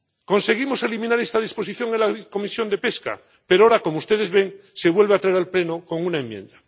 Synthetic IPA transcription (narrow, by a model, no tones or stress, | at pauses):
ko̞nse̞ɣimo̞se̞limĩnaɾe̞st̪að̞ispo̞siθjo̞ŋenlako̞misjo̞nd̪e̞pe̞ska̰ | pe̞ɾooɾako̞moust̪e̞ðe̞zβe̞ŋ | se̞βwe̞lβeat̪ɾaeɾalple̞noko̞ŋunaemːjẽ̞̰nd̪a